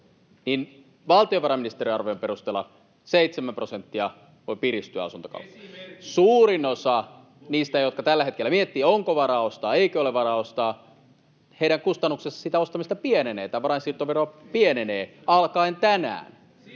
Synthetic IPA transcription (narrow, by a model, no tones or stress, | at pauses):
nin | ʋɑlt̪ioʋɑɾɑminist̪eɾiɑrʋojompeɾust̪eːlːɑ̰ | seit̪semæmprosent̪ːiɑ | oipiɾist̪yæ̰ɑ̰sunt̪o̥kɑ̰ut̪ːɑ̥suːrinosɑ | niːst̪æjot̪̚kɑt̪ælːæhekelːæmiet̪ːiːoŋkoʋɑrɑːost̪ɑːeikøoleʋɑɾɑːost̪ɑː | heiɾæŋkust̪ɑnːuksesːɑ̥sit̪æost̪ɑmist̪ɑpieneneːt̪æʋɑɾɑinsirt̪oʋeroɑpieneneːɑlkɑint̪ænæ̰ːn